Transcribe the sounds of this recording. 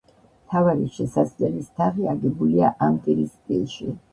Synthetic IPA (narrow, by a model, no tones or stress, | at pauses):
mt̪ʰavaɾiʃɛsazlɛlist̪ʰaʁiaɡɛbuliaʔamt̪ʼiɾispʼḭlˠʃi